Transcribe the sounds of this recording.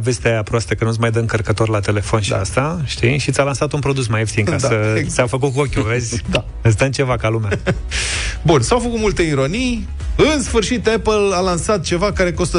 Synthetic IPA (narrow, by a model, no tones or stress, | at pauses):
ve̞st̪eapɾoast̪əkənusmajd̪əɨŋkərkət̪o̞rlat̪e̞le̞fo̞nʃia̰st̪aʃt̪iʃit̪sʲalansat̪unpɾo̞d̪us̬majefsiŋkasət̪sʲawfək̬ut̪̚k̬uokʲuezʲd̪a | ɨs̬d̪ənt͡ʃe̞vakalumea | bunsawfəkut̪mult̪eiɾonij | ɨnsfɨrʃit̪epəlalansat̪̚t͡ʃe̞vakaɾe̞ko̞st̪ə